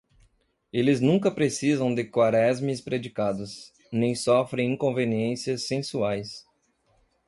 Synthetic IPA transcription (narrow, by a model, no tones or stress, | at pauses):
elɪznũŋkɐpɾesizɐ̃w̃d̪ɪkwaɾɛzmɪspɾed͡ʒikad̪ʊs | nẽj̃sɔfɾẽj̃ĩŋkõveniẽsiɐsːẽsuajs